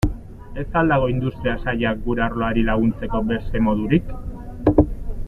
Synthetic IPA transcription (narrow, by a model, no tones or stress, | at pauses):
e̞st̪ald̪aɣ̞o̞ind̪ust̪ɾiasaʎak̚ɡuɾeaɾlo̞aɾilaɣ̞unt͡se̞ko̞be̞st̪e̞mo̞ðuɾik